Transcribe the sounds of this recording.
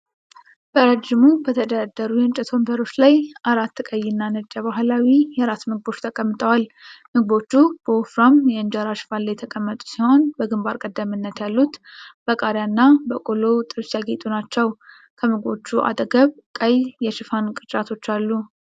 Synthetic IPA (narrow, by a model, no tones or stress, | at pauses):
b̥əɾəd͡ʒɪmubət̪ʰəd̪əad̪ːəɾujɛnt͡ʃʼɛt̪ʰo̞mbəɾo̞t͡ʃːlajʔaɾat̪ːɨkʼəjːɪnːanɨd͡ʒʼːəβaɦlawijɛɾat̪mɨɡ̚bo̞t͡ʃːt̪ʰəkʼəmːɨt̪ʼəwalmɨɡbo̞t͡ʃːub̥əofɾamjɛɨnd͡ʒaɾaʃɪ̥fanlːjɛt̪ʰəkʼəmːət̪ʼu̥siho̞nbəɡɨmbaɾkʼəd̪ːəmɨnːət̪jalːut̪b̥əkʼaɾjanːabəkʼolo̞t̪ʼɨɾsjaɡet̪ʼunat͡ʃːɛw | kʰəmɨɡbo̞t͡ʃːuʔa̰d̪ɡəβkʼəjjɛʃɨfankʼɨt͡ʃʼat̪ʰo̞t͡ʃːalːu